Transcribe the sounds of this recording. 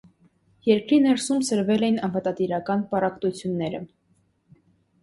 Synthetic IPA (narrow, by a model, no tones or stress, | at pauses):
jɛɾkɾinɛɾsumsəɾvɛlɛjinɑnvət̪ɑt̪iɾɑkɑnpɑrɑkt̪ut͡sʰjunːɛɾə̰